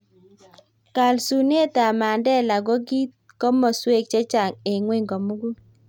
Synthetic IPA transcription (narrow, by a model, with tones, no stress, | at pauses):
ka˨lsu˨ne˦ta˨ma˨ndɛ˦la˨ɡɔ˦ɡi˦t̚ | kɔ˦mɔ˨swe˦˨k̚t͡ʃe˦t͡ʃa˨ŋe˨ŋwe˦ŋɡɔ˨mu˦ɡu˦